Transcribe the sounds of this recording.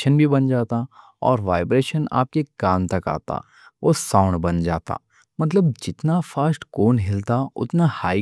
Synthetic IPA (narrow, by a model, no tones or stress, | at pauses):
ʃənbʱibɐnd͡ʒaːt̪a | ɔ̰ːɾʋaːɪbɾeːʃəna̰ːp̚keɡaːnt̪ɐka̰ːt̪a̰ | ʋosãːʊ̃ɳɖbɐnd͡ʒa̰ːt̪a̰ː | mɐt̪ləb̚d͡ʒɪt̪nafaːsʈkoːnɦɪlt̪aʊ̰t̪nahaːi